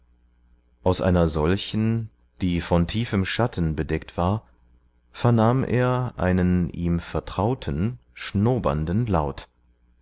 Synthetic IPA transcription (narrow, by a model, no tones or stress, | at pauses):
ʔaʊsʔa̰ɪnɐzɔlçn̩ | d̥iːfɔntʰiːfəmʃatʰn̩bədɛk̚tv̥aːɐ | fɛɐnaːmʔḛːɐʔa̰ɪnənʔiːmfɛɐtʁ̥aʊtʰənʃnoːbɐ̰ndn̩laʊt